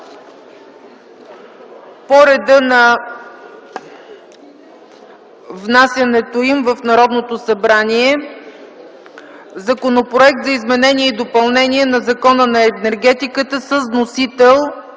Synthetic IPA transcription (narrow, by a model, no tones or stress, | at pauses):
poɾɛd̪ənɐ | vnasʲjɐnɛt̪oimvəfnɐɾɔd̪not̪osɐbɾaniɛ | zɐkonopɾoɛk̚t̪zɐizmɛnɛniɛid̪opɐlˠnɛniɛnɐzɐkɔnənɐɛnɛɾɡɛt̪ikət̪əsəznosit̪ɛlˠ